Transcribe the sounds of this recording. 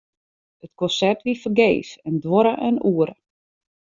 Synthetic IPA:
ətkɔnsɛrtʋifərɡeːsɛndʋoɾəʔœnuːəɾə

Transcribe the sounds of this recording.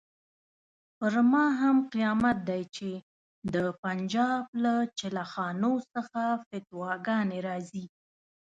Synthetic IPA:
pəɾmɑɦamqijɑmat̪̚d̪ajt͡ʃe | d̪əpand͡ʒɑblat͡ʃɪlaxɑnosəxafɪt̪wɑɡɑneɾɑzi

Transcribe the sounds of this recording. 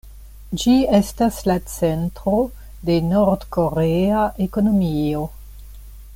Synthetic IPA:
d͡ʒiestaslat͡sentɾo̞ | de̞noɾdko̞ɾeaʔeko̞no̞mio̞

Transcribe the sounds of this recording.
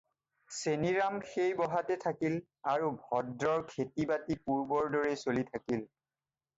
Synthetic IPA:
seniɹamxejbɔɦatɛtʰakil | aɹubʱɔdɹɔɹkʰetibatipuɹbɔɹdɔɹesolitʰakil

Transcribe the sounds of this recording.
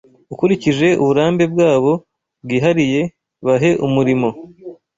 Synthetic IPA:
ukuɾiciʒe̞ʔṵβuɾaːmbe̞b̚ɡaːβo̞ | bɡiːɦaɾije̞ | βaɦe̞ʔumuɾimo̞

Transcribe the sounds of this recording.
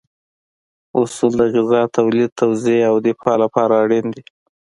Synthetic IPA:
ʊsuld̪əɣɪzɑt̪awlid̪̚t̪ʰawzeawd̪epʰɑlapɑɾaːɽind̪i

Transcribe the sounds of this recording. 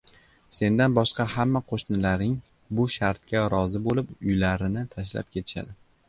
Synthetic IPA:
se̞nd̪anbɒʃqɑhamːaqʰoʃnɪlaɾnɪŋ | bʊʃaɾt̪̚kʲaɾɒzɪbolɪpʊjlaɾɪnɪt̪ʰaʃ̬la̰p̚kʲe̞t̪ʰɪ̥ʃa̰d̪ɪ

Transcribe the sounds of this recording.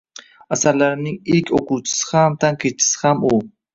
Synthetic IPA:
asaɾlaɾɪnɪŋiɾkʲʰoquwt͡ʃʰɪ̥sɪ̥hamt̪ʰaŋkʰʲet͡ʃʰɪ̥sɪ̥hamu

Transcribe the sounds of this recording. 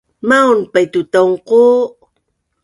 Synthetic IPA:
maunpajt̪ut̪awŋqo

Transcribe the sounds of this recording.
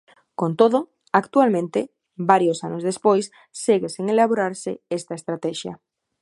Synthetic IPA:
kõnt̪oðo | akt̪ualmẽnt̪e | baɾjosanozðespojsː | eɣeseŋelaβ̞oɾaɾseest̪aest̪ɾat̪ɛʃja̰

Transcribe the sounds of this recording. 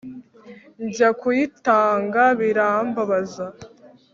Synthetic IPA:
ɲɟakujitaːŋɡaβiɾaːmbaβaza

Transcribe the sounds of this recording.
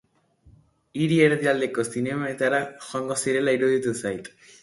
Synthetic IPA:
iɾieɾed̪iald̪ekosinemaet̪aɾaxɔŋɡɔsiɾelaiɾud̪it̪usajt̪

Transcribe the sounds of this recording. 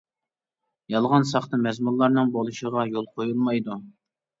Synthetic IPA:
jɑlˠʁɑnsɑχt̪ɨmɛzmulˠːɑɾnɨŋbolˠɨʃəʁɑjolˠqʰojulˠmɑjd̪u

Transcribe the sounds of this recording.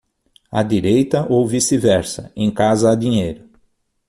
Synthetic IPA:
ɐ̰d̪iɾejt̪ɐʔowvisivɛɾsɐ̰ẽj̃kazɐːd̪ĩɲejɾʊ

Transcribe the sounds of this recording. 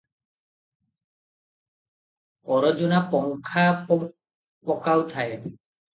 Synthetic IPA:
pɔɾɔd͡ʒunapɔŋkʰapɔ | pɔkawt̪ʰae

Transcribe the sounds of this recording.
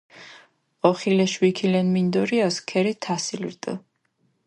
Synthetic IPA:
ɔχilɛʃwikʰilɛnmind̪ɔɾiaskʰɛɾit̪ʰasilḭɾt̪ʼə̰

